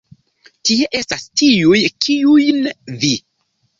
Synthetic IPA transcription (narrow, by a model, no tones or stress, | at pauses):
tie̞ʔe̞stastiujkʰiujnvi